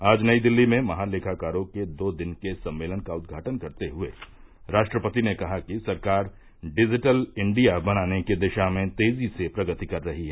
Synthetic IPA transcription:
aːd͡ʒnɐid̪ɪlːimẽmɐɦãleːkʰakaːɾõked̪oːd̪ɪnkesɐ̃mːeːlənkaʊd̪̚ɡʱaːʈənkɐɾt̪eɦʊḛ | ɾaːʃʈɾəpət̪inekɐɦakisɐɾkaːɾ | ɖɪd͡ʒɪʈəlɪ̃ɳɖijabɐñaːneked̪ɪʃamẽt̪eːzisepɾɐɡət̪ikɐɾːɐɦiɦɛː

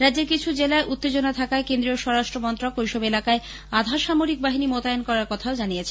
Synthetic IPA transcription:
ɾad̪ːd͡ʑeɾkit͡ɕʰud͡ʑelaeʔut̪ːed͡ʑonat̪ʰakaekend̪ɾioʃɔɾaʃʈɾomɔnt̪ɾokojʃɔbelakae | ad̪ʱaʃamoɾik̚baɦinimot̪aenkɔɾaɾkɔt̪ʰaod͡ʑanijet͡ɕʰe

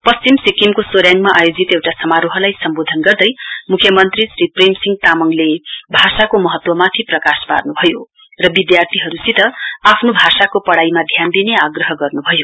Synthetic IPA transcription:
pʌst͡simsikimkosoɾjaŋɡmaʔajod͡zit̪ewʈasʌmaɾoɦʌlajsʌmbod̪ʱʌnɡʌrd̪ʌjmukʰjʌmʌnt̪risripremsiŋɡt̪amʌŋlebʱasakomʌɦʌt̪wʌmat̪ʰiprʌkaspa̰rnubʱʌjo | rʌbid̪jart̪ʰiɦʌɾusit̪ʌapʰnobʱasakopʌɽaimad̪ʱjand̪ineaɡrʌɦʌɡʌrnubʱʌjo

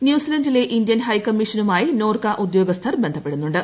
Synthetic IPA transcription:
njuːsilɐndile̞ʔindjɐnhɐjkɐmːiʂɐnumaːjino̞ːrkɐʔud̪jo̞ːɡɐst̪ʰɐrbe̞nd̪ʱɐpːe̞ɽunːuɳɖɨ

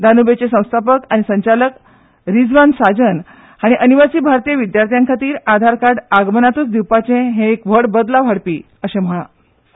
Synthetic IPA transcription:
d̪ʱanubet͡sesə̃w̃st̪ʰapəkaɽ̃isəɲt͡ɕalək | ɾid͡zʋansad͡ʑən | haɽ̃iʔəniʋasiːbʱaɾt̪ijəʋid̪jaɾt̪ʰijãŋkʰat̪iːɾad̪ʱaɾkaɾɖaɡmənat̪uːt͡sd̪iwpat͡sẽɦẽekʋəɽbəd̪laʋ̤ʱaɽpiː | əɕẽm̤əɭã̰

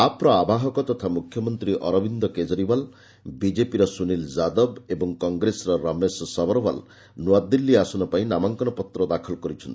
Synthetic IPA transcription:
apɾɔabaɦɔkɔt̪ɔt̪ʰamukʰjɔmɔnt̪ɾiʔɔɾɔbind̪ɔked͡ʒɔɾibal | bid͡ʒepiɾɔsunilzad̪ɔbebɔŋkɔŋɡɾesɔɾɔɾɔmesɔsɔbɔɾɔbal | nwad̪ilːiasɔnɔpaĩnamaŋkɔnɔpɔt̪ɾɔd̪akʰɔlɔkɔɾit͡ʃʰɔnt̪i̥

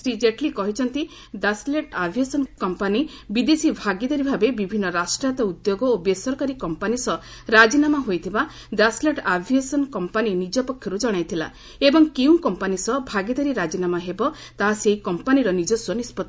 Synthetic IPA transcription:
sɾid͡ʒeʈlikɔɦit͡ʃʰɔnt̪i | d̪asleʈabʱiesɔnkɔmpanibid̪esibʱaɡid̪ɔɾibʱabebibʱinːɔɾasʈɾat̪ɔud̪joɡɔobesɔɾkaɾikɔmpanisɔ | ɾad͡ʒinamaɦojt̪ʰiba | d̪asleʈabʱiesɔnkɔmpaninid͡ʒɔpɔkʰjɔɾud͡ʒɔɽ̃ajt̪ʰila̰ | ebɔŋkew̃kɔmpanisɔbʱaɡid̪ɔɾiɾad͡ʒinamaɦebɔ | t̪aɦaseɦikɔmpaniɾɔnid͡ʒɔswɔnispɔt̪ː

